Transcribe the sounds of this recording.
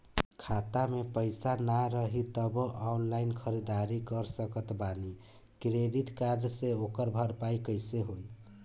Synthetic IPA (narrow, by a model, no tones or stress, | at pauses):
kʰat̪amepəjsanaɾəɦit̪əboʔaunlajnkʰəɾid̪aɾikəɾsəkət̪bani | kɾed̪it̪kaɾɖseokəɾbʱəɾpaikəjseɦoj